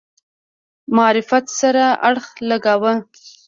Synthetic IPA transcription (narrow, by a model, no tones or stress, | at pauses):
mɑɾɪfat̪saɾaaɽxləɡawə